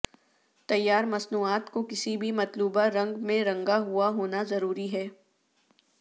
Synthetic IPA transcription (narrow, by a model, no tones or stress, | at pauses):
t̪ɐjːaːɾmɐsnuːaːt̪kokɪsibʱimɐt̪luːbaɾɐ̃ŋɡmẽɾɐ̃ŋɡaɦuaɦoːnazɐɾuːɾiɦɛː